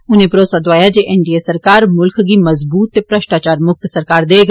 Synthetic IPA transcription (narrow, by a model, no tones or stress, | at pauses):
ʊnẽpɐɾoːsad̪ʊʋaːjad͡ʒeʔɛnɖiesɐɾkaːɾmʊlkɡimɐzbuːt̪ːepɾəʃʈaːt͡ʃaːɾmʊk̚t̪sɐɾkaːɾd̪eːɡ